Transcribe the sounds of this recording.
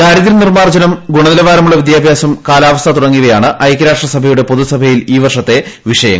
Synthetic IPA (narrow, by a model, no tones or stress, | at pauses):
kaːɾiðiɾɐnirmaːrd͡ʑɐnɐmɡuɳɐðilɐʋaːɾɐmuɭːɐʋid̪jaːbʱjaːsɐmkaːlaːʋɐst̪ɐt̪uɽɐŋːuɣɐjaːɳɨʔɐjkːɐɾaːʂʈrɐsɐbʱɐjuɽe̞poðusɐbʱɐjiliːʋɐrʂɐt̪ːe̞ʋiʂɐjɐ̰ŋ